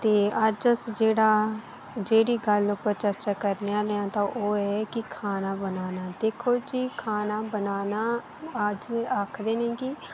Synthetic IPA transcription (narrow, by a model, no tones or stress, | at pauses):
t̪eːəd͡ʒəsd͡ʒeːɽaː | d͡ʒeːɽiːɡəlʊpːəɾt͡ʃəɾt͡ʃaːkəɾneaːlːãːt̪ãːʔoːɛːkɪkʰaːnaːbənaːnaːd̪eːkʰoːd͡ʒiːkʰaːnaːbənaːnaː | əd͡ʒaːkʰd̪eːnẽːɡiː